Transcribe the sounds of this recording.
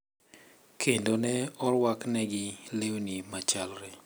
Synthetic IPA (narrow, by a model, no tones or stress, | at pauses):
kʰendonɛɔɾwaknɛɡɪlewnimat͡ʃalɾe